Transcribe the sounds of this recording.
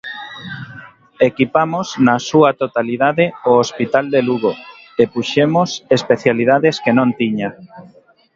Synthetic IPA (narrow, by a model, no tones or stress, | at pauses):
ekipamosnasuat̪ot̪aliðaðeoospit̪ald̪eluɣo | epuʃemosespeθjalið̞aðeskenõnt̪iɲa